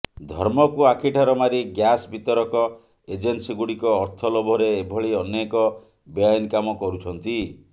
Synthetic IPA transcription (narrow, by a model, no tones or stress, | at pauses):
d̪ʱɔ̰ɾmɔkuakʰiʈʰaɾɔmaɾiɡjasbit̪ɔɾɔkɔ | ed͡ʒensiɡuɽikɔːɾt̪ʰɔlɔbʱɔɾeːbʱɔɭiɔnekɔ | beajinkamɔkɔɾut͡ʃʰɔnt̪i